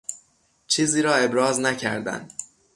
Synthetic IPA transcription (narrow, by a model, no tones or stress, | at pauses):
t͡ʃʰiːziːɾɒːe̞bɾɒːznæcʰæ̰ɾd̪æ̰nd̪